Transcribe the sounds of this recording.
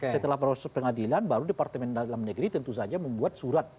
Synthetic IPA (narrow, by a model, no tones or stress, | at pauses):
ssət̪əlahpɾɔsɛpəŋadilanbaɾudepart̪əmɛndalamnəɡɾit̪ənt̪us̬ad͡ʒaməmbuat̪̚suɾat̪̚